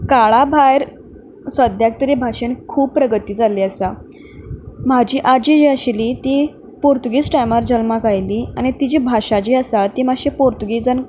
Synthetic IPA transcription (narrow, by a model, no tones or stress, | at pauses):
kaɭabʱajɾ | sʋəd̪ʱjak̚t̪əɾibʱaʂenkʰuːb̚pːɾəɡət̪iːd͡zaliːasa | mad͡ʑiːʔad͡ʑid͡ʑiːaɕeliːt̪i | poɾt̪uɡiːsʈajmaɾd͡ʑəlmakajliːañit̪id͡ʑiːbʱaʂad͡ʑiːasat̪iːmaɕepoɾt̪uɡid͡zən